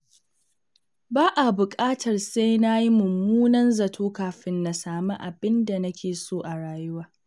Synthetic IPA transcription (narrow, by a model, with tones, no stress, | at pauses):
baː˦ʔa˨bʊ˨kʼaː˦tʰɐ˨rsa˦jna˦ji˦mʊ˨mːuː˦nɐ˦nzɐ˨tʰoː˦kaː˨ɸɪ˦nːa˨saː˨mɐ˦ʔa˨bɪ˦nda˨nɐ˦kʲʰeː˨soː˦ʔa˨ɽaː˨jʊ˦waː˦